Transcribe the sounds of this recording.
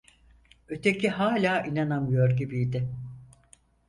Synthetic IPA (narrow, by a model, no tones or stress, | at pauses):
ø̞t̪ʰecʰiɦaːlʲaːʔinanamɯjoɾɟibijd̪ɪ